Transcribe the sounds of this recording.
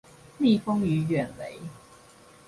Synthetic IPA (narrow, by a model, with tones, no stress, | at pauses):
mi˥˨fo˦ŋy˨˥ɥɛ˨˩nwe˨˦ɪ